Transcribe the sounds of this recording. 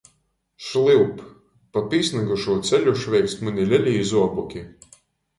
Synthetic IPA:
ʃlˠilp | papʲiːsnaɡuʃuːt̪sɛlʲuʃvʲɛjk̪smanʲilʲɛlʲiːzuɔbukʲi

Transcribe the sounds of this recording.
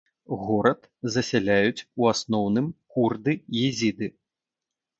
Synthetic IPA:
ɣɔɾɐt̪ | zɐsʲalʲajut͡sʲuasnɔwnɨmkurd̪ɨjizʲid̪ɨ

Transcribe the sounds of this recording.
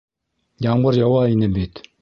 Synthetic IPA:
d͡ʑaŋbarjawajənəmbet̪

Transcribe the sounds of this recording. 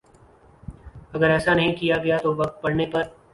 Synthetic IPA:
ɐɡəɾɛːsanɐɦĩkijaɡɐjat̪oʋɐk̚t̪̚pɐɽnepɐɾ

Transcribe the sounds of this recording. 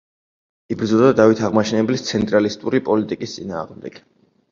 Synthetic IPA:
ibɾd̪zɔlˠd̪ad̪avit̪ʰaʁmaʃʰɛnɛblist̪sʰɛnt̪ʼɾalist̪ʼuɾipʼɔlit̪ʼikʼist̪sʼina̰ːʁmd̪ɛɡ̥

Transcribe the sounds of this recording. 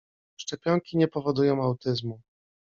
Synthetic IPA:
ʂt͡ʂɛpʲjɔŋkʲiɲɛpɔvɔd̪ujɔ̃w̃awt̪ɘzmu

